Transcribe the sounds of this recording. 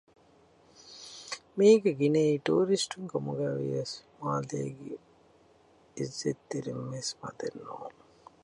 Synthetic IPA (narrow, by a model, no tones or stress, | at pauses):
miːɡeɡineiʈuːɾisʈuŋkɐmuɡaʋḭjɐsmaːlḛːɡi | izːet̪ːiɾimːesma̰d̪enːo̰ːn